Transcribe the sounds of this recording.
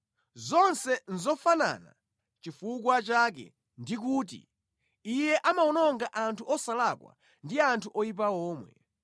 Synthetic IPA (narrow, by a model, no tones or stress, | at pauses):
zɔnsɛnzɔfana̰na̰ | t͡ʃifukwat͡ʃak̬ɛ̰ | ndik̬uːt̬ḭ | ijɛʔamaɔnɔŋɡaʔantʰuʔɔsalakwa̰ | ndiantʰuʔɔjip̬aɔːmwɛ̰